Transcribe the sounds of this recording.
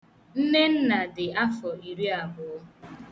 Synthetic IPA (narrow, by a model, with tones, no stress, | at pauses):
n̩˦ne˦n̩˦na˨dɪ˨a˦fɔ˨i˨ɾi˦a˨bʊ˨˦